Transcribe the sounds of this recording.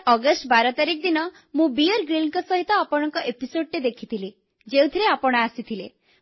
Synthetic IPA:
ɔɡɔsʈbaɾɔt̪aɾik̚d̪inɔ | mũbijɔɾɡɾilŋkɔsɔɦit̪ɔapɔɽ̃ɔŋkɔʔepisoɖ̚ɾed̪ekʰit̪ʰili | d͡ʒew̃t̪ʰiɾeapɔɽ̃ɔasit̪ʰile

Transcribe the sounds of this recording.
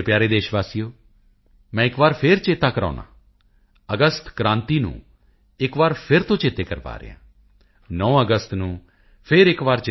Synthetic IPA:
eːpjaːɾeːd̪eːʃʋaːsijoː | mɛ̃ːɪkʋaːɾpʰɪɾt͡ʃeːt̪aːkəɾã̰ːnã̰ː | əɡəst̪kɾãːnt̪iːnṵ̃ː | ɪkʋaːɾpʰɪɾt̪õːt͡ʃeːt̪eːkəɾpa̰ːɾə̰ɪ̰ã̰ː | nɔ̃ːəɡəst̪nũː | pʰɪɾɪkʋaːɾt͡ʃ

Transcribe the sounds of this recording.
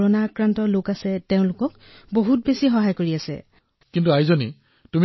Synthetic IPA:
ɔnaːkɹantɔlokasɛtɛʊ̃lʊkɔk | boɦut̚besixɔɦajkoɹiasɛ̰ | kintuaɦizoni | tum

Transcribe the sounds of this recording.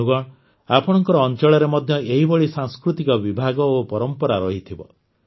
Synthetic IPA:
uɡɔɽ | apɔɽ̃ɔŋkɔɾɔːnt͡ʃɔɭɔɾemɔd̪ʱjɔʔeɦibɔɭisaŋskɾut̪ikɔbibʱaɡɔopɔɾɔmpɔɾaɾɔɦit̪ʰibɔ̰

